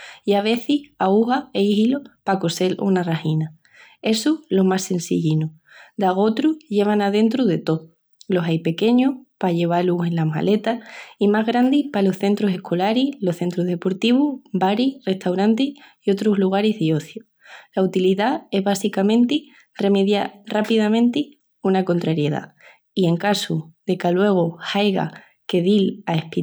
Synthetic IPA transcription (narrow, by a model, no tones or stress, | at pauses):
iaβ̞e̞θihauɣaeihilopako̞se̞lʔonarahina | e̞sulo̞mase̞nsḭʎinu | d̪aɣ̞ot̪ɾuʝe̞β̞anaðe̞nt̪ɾuðe̞t̪o̞ð | lo̞sajpe̞ke̞ɲopaʎe̞β̞aluhe̞nlama̰le̞t̪aimaɦɣɾand̪ipalo̞hθe̞nt̪ɾuse̞hkʰo̞laɾilo̞hθe̞nt̪ɾuɦð̞e̞po̞ɾt̪iβubaɾire̞ht̪awɾant̪iio̞t̪ɾozluɣ̞aɾizðio̞θjo | laut̪iliðae̞zβasikamẽ̞nt̪i | re̞me̞ðjarapiðamẽ̞nt̪i | unako̞nt̪ɾaɾje̞ða̰ | ie̞ŋkasuðe̞kalwe̞ɣ̞ohajɣa̰ | ke̞ðilae̞hpi